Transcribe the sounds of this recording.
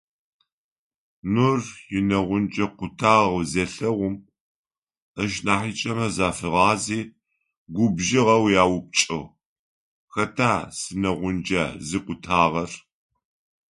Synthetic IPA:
nʊrjɪnɐʁʷʊnd͡ʒɐqʷʊtʰaːʁzɐɬɐʁʷʊm | əʃnaːħit͡ʃʼɐmɐzaːfɨʁɑːziː | ɡʷʊbʒɪʁɐwjaːwʊp̚t͡ʃʼɐw | xɐtʰaːsɨnɐʁʷʊnd͡ʒa̰zɨqʷʊtʰaːʁɐr

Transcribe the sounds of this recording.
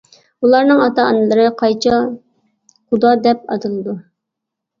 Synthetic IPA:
ulˠɑɾnɨŋɑt̪ɑɑnɨlˠəɾɨqʰɑjt͡ʃʰɑ | χud̪ɑd̪ɛp̚ɑ̰t̪ɨlˠɨd̪u

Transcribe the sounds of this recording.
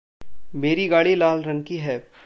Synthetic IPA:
meːɾiɡaːɽilaːlɾɐ̃ŋkiɦɛː

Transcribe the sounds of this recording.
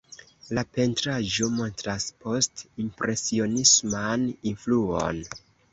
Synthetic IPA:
lape̞ntɾaʒo̞mo̞ntɾaspo̞stimpɾʔe̞sio̞nismaninfluo̰n

